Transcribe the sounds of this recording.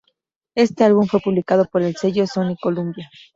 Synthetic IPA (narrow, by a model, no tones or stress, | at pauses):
e̞st̪e̞alβuɱfwe̞puβlikað̞o̞po̞ɾe̞lse̞ʝoso̞niko̞lumbja